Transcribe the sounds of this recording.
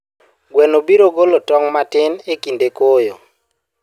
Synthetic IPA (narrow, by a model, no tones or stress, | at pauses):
ɡwɛnobiɾoɡolotɔŋmatɪnekindekojo